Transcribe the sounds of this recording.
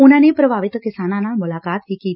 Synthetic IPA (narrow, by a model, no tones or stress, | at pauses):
ʊnanepɾəbʱaːʋɪt̪kɪsaːnanamʊlaːkaːt̪ɦiki